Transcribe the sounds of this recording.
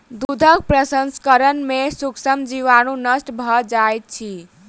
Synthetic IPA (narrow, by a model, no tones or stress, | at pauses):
d̪ud̪ʱək̚pɾəsənskəɾənmesuksəmd͡ʒiʋanunəsʈbʱɔd͡ʒajt̪̚t͡ʃʰi